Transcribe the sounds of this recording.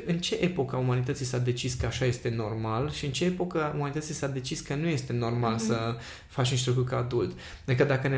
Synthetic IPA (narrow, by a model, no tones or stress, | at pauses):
ɨnt͡ʃe̞ʔepo̞kəaumanit̪ət̪sisad̪e̞t͡ʃiskəaʃaje̞st̪e̞no̞rmalʃiɨnt͡ʃe̞epo̞kəumanit̪ət̪sisad̪e̞t͡ʃiskənuje̞st̪e̞no̞rmalsə | fat͡ʃunʃt̪ɾokukaːd̪ult̪ | d̪ɨkəd̪akəne